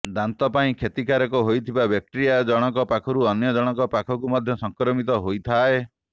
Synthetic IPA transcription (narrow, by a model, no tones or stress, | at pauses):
d̪ant̪ɔpaĩkʰet̪ikaɾɔkɔɦojt̪ʰibabjak̚ʈiɾijad͡ʒɔɽ̃ɔkɔpakʰɔɾuɔnjɔd͡ʒɔɽ̃ɔkɔpakʰɔkumɔd̪ʱjɔsɔŋkɾɔmit̪ɔɦojt̪ʰae